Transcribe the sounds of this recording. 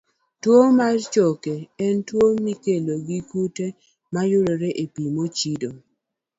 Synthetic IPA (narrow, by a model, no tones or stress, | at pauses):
twomart͡ʃokeɛntwomikeloɡikute | majʊɾoɾeʔepimot͡ʃido